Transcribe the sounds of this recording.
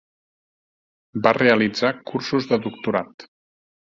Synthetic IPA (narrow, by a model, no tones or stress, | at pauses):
bareəlid͡zakursuzðəðuk̚t̪uɾat̪